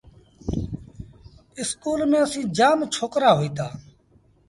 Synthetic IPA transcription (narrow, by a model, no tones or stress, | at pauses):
ɪskuːlmẽːəsĩːd͡ʒaːmt͡ʃʰoːkɾaːɦoiːt̪aː